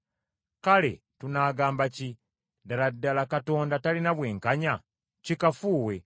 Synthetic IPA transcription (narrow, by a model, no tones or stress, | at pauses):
kale̞ | tunaːɡaːmbaci | daladːalakato̞ːndatalinaβwe̞ːŋkaɲa | cikafuːwe̞